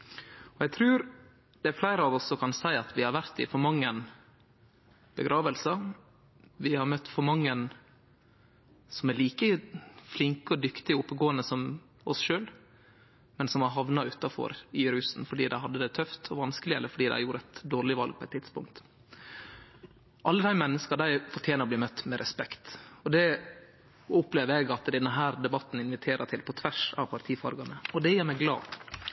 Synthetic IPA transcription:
ɔæɡt̪ʰɾʉːɾ | d̪̥ɛæɾflæɪɾəɑʋɔsːɔkʰɑnsæɪɑt̪ʰʋɪhɑɾʋæɾt̪ɪ̰fɔɾmɑŋːən | b̥əɡɾʔɑːʋəlsɑ | ʋɪhɑɾmœt̪ːfɔɾmɑŋːən | sɔmæɾliːkəflɪŋkəɔd̪ʏkt̪ɪʊpːəɡoːənəsɔm | ɔsʃøːl | mɛnsɔmɑɾɦɑʋnɑʉt̪ːɑfɔ̰ɾɪɾʉːsnfɔɖiːd̪æɪɦɑd̪ːəd̪ɛt̪ʰœft̪ʰɔʋɑnskəlɪɛ̰lːəɾfɔɖiːd̪æ̰ɪjuːɾəæɪt̪d̪oːɾɭɪʋɑ̰lɡ̚pʰɔɛɪt̪ʰːɪt̪spʊ̰ŋk̚t̪ | ʔɑlːəd̪æɪmɛnːəskəɖ̪æɪfɔʈʰjeːnəɾɔbliːmœt̪ːmɛɾʔɛspɛkt̪ɔd̪ɛ | ʊpleːʋəɾɛɡɑt̪d̪ɛnːəɦæːɾd̪ɛbɑt̪ːn̩ɪnʋɪt̪ʰeːɾʔət̪ʰɪlpʰɔt̪ʰʋæʂɑ̰ʋpʰɑɾt̪ʰiːfɑ̰ɾɡɑnəɔd̪ɛjæːɾmɛɡlɑ̰ː

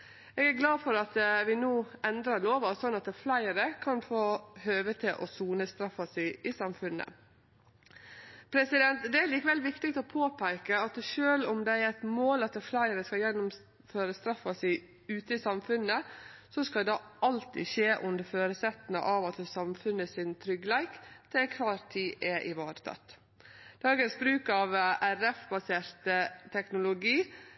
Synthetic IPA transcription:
ɛːɡæɾɡlɑːfɔɾɑt̪ʋɪnoːɛnd̪ɾɑɾɭoːʋɑsɔnɑt̪flæɪɾəkʰɑnfoːhøːʋət̪ʰɪlʔɔsuːnəst̪ɾɑfːɑsæɪʔɪsɑmfʉnːə̰ | pʰɾɛsɪd̪ɛnt̪d̪ɛæɾɭiːkəʋɛlːʋɪkt̪ɪt̪ɔpʰoːpʰæɪkəɑt̪ʂøːlʊmd̪ɛæɾæɪt̪moːlɑt̪flæɪəɾəskɑjɛnːʊm | føːɾəst̪ɾɑfːɑsæɪ | ʉːt̪əɪsɑmfʉnəsɔskɑld̪ɑʔɑlt̪ɪ̰ʃeːʔʉnd̪əɾføːɾəsɛt̪n̩ɑ̰ʔɑʋɑt̪sɑmfʉnːəsɪnt̪ʰɾʏɡlæɪkt̪ʰɪkʰʋɑːɾt̪ʰiːʔɛʔɪʋɑːɾət̪ʰɑ̰t̪ | d̪̥ɑːɡənsbɾʉːkɑʋæɾɛfbɑseːɾt̪ət̪ʰɛknʊlʊɡiː

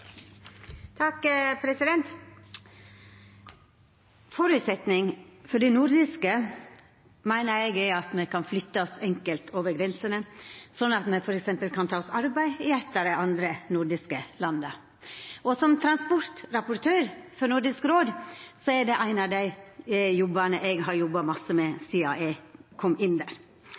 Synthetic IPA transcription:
t̪ʰɑkpʰɾɛsɪd̪ɛnt̪ | fɔɾʉːt̪sɛt̪nɪŋfɔɖɪnʊɾd̪ɪskə | mæɪnəɾɛɡɛɑt̪mɛkɑnflʏt̪ːɑsɛŋkəlt̪ʰoːʋəɾɡɾɛnsənəsɔnːɑt̪mɛfɔɾɛksɛmpəlkʰɑnt̪ʰɑːɔsɑɾbæɪɪɛt̪ːəd̪ɛʔɑnd̪ɾənʊɾɖ̪ɪskəlɑnːə | ɔsɔmt̪ʰɾɑnspɔɾt̪ɾɑpʊɾt̪ʰøːɾfɔnʊɾɖ̪ɪskɾoːd̪sɔɛɖɛʔæɪnɑʋd̪æɪjɔbːənəʔɛɡɦɑɾjɔbːɑmɑsəmɛsiːɑ̰ʔɛkʰɔmɪnd̪æːɾ

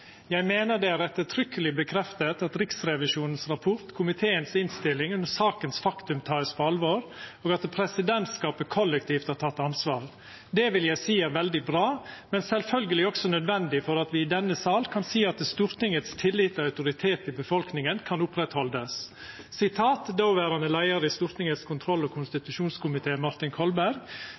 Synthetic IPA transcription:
jæɪmeːnəɖ̪ɛæɾɛt̪ːət̪ʰɾʏkːəlɪbəkʰɾɛft̪ət̪ɑt̪ɾɪksɾɛʋɪʂuːnənsɾɑpʰʊɾt̪kʰʊmɪt̪ʰeːənsɪnst̪ɪlːɪŋʉnəsɑːkənsfɑkt̪ʉmt̪ʰɑːəspʰɔɑlʋoːɾoːɡɑt̪pʰɾɛsɪd̪ɛnt̪skɑːpəkʰɔlːɛkt̪ʰiːft̪hæt̪ʰɑt̪ːɑnsʋɑːɾ | d̪ɛʋɪljæɪsiːæɾʋɛld̪ɪbɾɑːmɛnsɛlfœlɡəlɪɔksɔnœd̪ʋɛnd̪ɪfɔɾɑt̪ʋɪːd̪ɛnːəsɑːlkʰɑnsiːɑt̪st̪uːɾt̪ɪŋət̪st̪ʰɪlːɪt̪ːɑɑʉt̪ʊɾɪt̪ʰeːt̪ɪbəfɔlknɪŋənkʰɑnʊpɾɛt̪hɔld̪əsː | ɪt̪ʰɑːt̪d̪oːʋæːɾɑnəlæɪəɾəɪst̪uːɾt̪nɪŋət̪skʰʊnt̪ʰɾɔlːɔkʰʊnst̪ɪt̪ʉʃuːnskʰʊmɪt̪ʰeːmɑɾt̪ɪnkʰɔlbæɾɡ

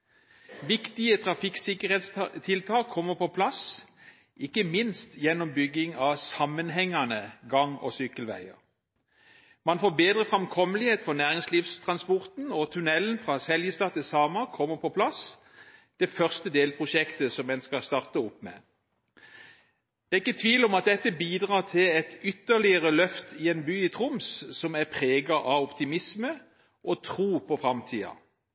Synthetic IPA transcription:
ʋɪkt̪ɪət̪ʰʁɑfɪksɪkəʁheːt̪st̪ʰɪlt̪ʰɑːkʰːɔmːəpʰɔpʰlɑs | ʔɪkːəmɪnst̪jɛnːɔmbʏɡːɪŋɑsɑmənɦɛŋːɑnəɡɑŋɔ̰sʏkəlʋæ̰ɪə̰ʁ | mɑnfoːbeːd̪ʁəfʁɑmkʰɔməlɪheːt̪fɔʁnæːʁɪŋsliːfst̪ʰʁɑnspɔʁt̪n̩ɔt̪ʰʉnɛlənfʁɑsɛljəst̪ɑːt̪ɪsɑːmɑkʰɔmːəpʰɔpʰlɑs | d̪̥ɛfœʁst̪əd̪eːlpʰʁʊʃɛkt̪əsɔmɛnskɑst̪ɑʁt̪əɔpːmɛ̰ː | d̪æːɪkːət̪ʰʋiːlɔmɑt̪̚d̪ɛt̪ːəbiːd̪ʁɑːt̪ʰɪlɛt̪ʏt̪ːəʁlɪəʁəlœft̪ʰɪenbyːɪt̪ʰʁʊmssɔmæʁpʰʁeːɡɑʔɑɔpt̪ɪmɪsmə | ʔot̪ʰʁuːpʰɔfʁɑmt̪ʰḭːɑ̰

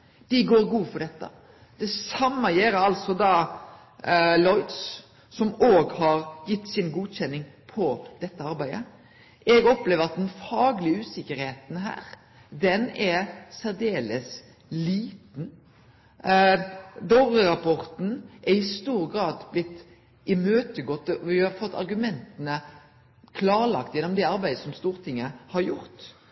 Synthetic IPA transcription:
d̪̥ɪɡoːɾɡuːfɔd̪ɛt̪ːə̰ | d̪̥ɛsɑmːəjeːɾəɑlsɔd̪ɑː | lɔʏd̪s | sɔmoːɡhɑɾjɪt̪ːsɪnɡuːd̪çɛnːɪŋpʰɔd̪̥ɛt̪ːəɑɾbæɪə | ʔɛɡɔpleːʋəɾɑt̪̚d̪ɛnfɑːɡlɪəʉːsɪkːəɾheːt̪n̩ɦæ̰ːɾ | d̪ɛnɛɾsæɾd̪eːləs | liːt̪n̩ | d̪oːʁəɾɑpʰɔʁt̪n̩ʔɛɾɪst̪uːɾɡɾɑːd̪blɪt̪ː | ʔɪmøːt̪əɡɔt̪ːəʋɪhɑfɔt̪ːɑ̰ɾɡʉmɛnt̪ənə | kʰlɑːɾlɑ̰kt̪jɛnːɔmd̪ɛɑɾbæɪd̪əsɔmst̪uːɾt̪ʰɪŋːəhɑɾjʊɾt̪

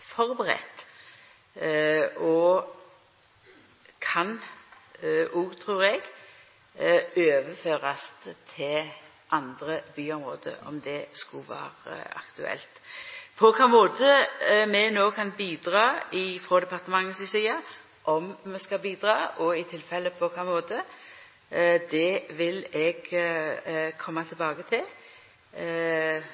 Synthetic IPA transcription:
fɔʁbəʁɛ̰t̪ | ɔ | kʰɑn | ʔuːt̪ʰʁuːɾɛɡ | øːʋəføːʁɑstt̪ʰɪl | ʔɑnd̪ɾəbyːɔmʁoːd̪ə̰ɔ̰md̪ɛskʊʋæ̰ːɾə̰ɑ̰kt̪ʉ̰ɛ̰lt̪pʰɔkʰɑːmoːt̪əmɛnoːkʰɑnbiːd̪ʁɑːɪfʁoːd̪ɛpɑʁt̪əmɑŋːəsɪsiːɑ | ʔɔmmɛskɑbiːd̪ʁɑːɔɪt̪ʰɪlfɛlːəpʰɔkʰɑːmoːt̪ə | d̪ɛʋɪlɛɡ | kʰɔmːɑt̪ʰɪlbɑːɡət̪ʰɪl

